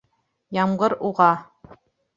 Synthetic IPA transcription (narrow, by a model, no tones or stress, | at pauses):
jɑmʁɤɾuʁɑ